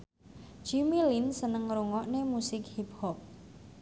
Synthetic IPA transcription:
d͡ʒimilinsənəŋɾuŋɔʔnemusɪkhip̚hɔp̚

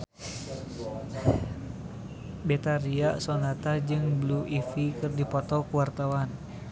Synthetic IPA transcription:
bɛt̪aɾiasɔnat̪ad͡ʒɨŋbluʔifikɨrdipɔt̪ɔkuwart̪awan

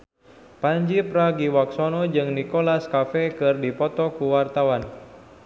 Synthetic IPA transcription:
paɲd͡ʒipɾaɡiwaksɔnɔd͡ʒɨŋnikɔlaskafɛkɨrdipɔt̪ɔkuwart̪awan

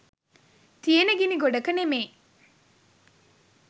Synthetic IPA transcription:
t̪ijenɐɡiniɡoɖɐkɐnemeː

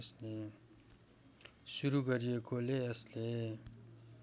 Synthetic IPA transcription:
sne | ʃuɾukəɾijekoleɐsle

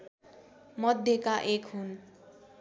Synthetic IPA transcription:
mʌd̪ʱjekaʔekɦun

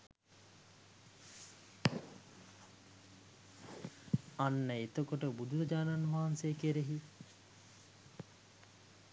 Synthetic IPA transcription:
anːəet̪əkoʈəbud̪ʱuʋəd͡ʒaːnanʋaɦansejəkeɾeɦi

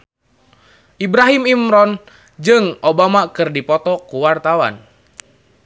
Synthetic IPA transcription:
ʔibɾaɦimimɾɔn | d͡ʒɨŋʔobamakɨrdipɔt̪ɔkuwart̪awa̰n

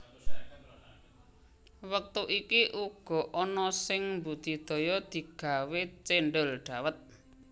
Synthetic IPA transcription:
wək̚t̪uʔikiʔuɡ̥ɔ̤ʔɔnɔsɪŋmbud̪̥i̤d̪̥ɔ̤jɔd̪̥i̤ɡ̥a̤wet͡ʃeɳɖəlɖ̪̥a̤wət̪̚

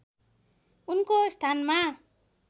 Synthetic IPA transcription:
unkost̪ʰanma

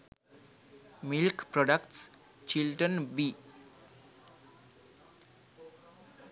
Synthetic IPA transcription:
milkproɖʌkʈs | t͡ʃilʈʌnbi

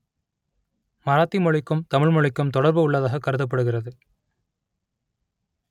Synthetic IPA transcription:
mɐɾaːt̪ːimɔɭɪkːɯmt̪ɐmɪɭmɔɻɪkːɐmt̪ɔɽɐɾbɯʊɭːɐðaːɣɐkːɐɾɯðɐp̬ːɐɽɯɣɪrɐðɯ

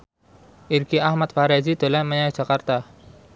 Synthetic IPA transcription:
ʔirkiahmat̪̚faɾazid̪̥o̤laməɲajɛ̥d͡ʒ̥akart̪a

